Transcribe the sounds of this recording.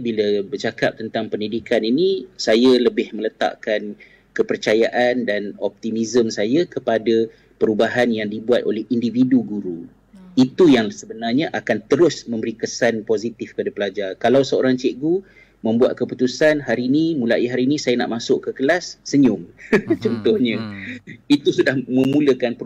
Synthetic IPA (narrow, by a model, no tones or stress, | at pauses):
bilabərt͡ʃakap̚t̪ənt̪aŋpəndidikaninisajaləbɪhmələt̪a̰ʔkan | kəpərt͡ʃajaʔandanɔp̚t̪imizəmsajakəpada | pəɾubaɦanjaŋdibuat̪̚o̰lɛhindividuɡuɾu | it̪ujaŋsəbənarɲaʔakant̪əɾʊsmə̃mbəɾikəsanpozit̪ɪfkəpadapəlad͡ʒarkalawsəo̰ɾaŋt͡ʃeʔɡu | mə̃mbua̰t̪̚kəput̪usanɦaɾinimũlaʔiɦaɾinĩsajana̰ʔmasʊʔkəkəlasːəɲʊŋt͡ʃɔnt̪ʊhɲə | it̪usudahmə̃muləkanpə